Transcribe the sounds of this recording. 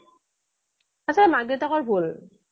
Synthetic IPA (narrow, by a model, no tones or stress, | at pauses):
asamak̚detakɔɹbʱul